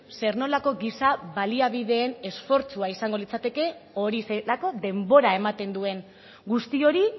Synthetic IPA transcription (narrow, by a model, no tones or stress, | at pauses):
se̞ɾno̞lako̞ɣisaβaliaβiðe̞ːne̞sfo̞ɾt͡suaisaŋɡo̞lit͡sat̪e̞ke̞o̞ɾiselako̞ðe̞mbo̞ɾae̞mat̪e̞nd̪ue̞ŋ | ɡust̪io̞ɾi